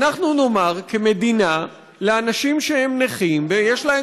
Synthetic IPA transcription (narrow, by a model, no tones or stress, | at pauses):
naχnuno̞maʁkeme̞d̪ina | leanaʃimʃehe̞mneχimvejeʃlae